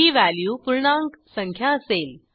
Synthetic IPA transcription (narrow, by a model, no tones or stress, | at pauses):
iːʋæljuːpuɾɳãŋksəŋkʰjaəseːl